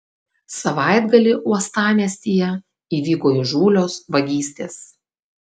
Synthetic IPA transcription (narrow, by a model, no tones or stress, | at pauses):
sɐʋɑˑɪd̪ɡɐlʲɪʔuɔst̪ɑːmʲiɛsʲt̪ʲijɛ | iːʋʲiːkoːɪʒuːlʲoːsʋɐɡʲiːsʲt̪ʲeːs